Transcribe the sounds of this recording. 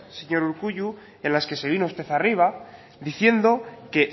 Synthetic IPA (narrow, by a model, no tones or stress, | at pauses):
seɲo̞ɾuɾkuʝu | e̞nlaske̞se̞β̞ino̞ust̪e̞θariβ̞a | ðiθje̞nd̪o̞ke̞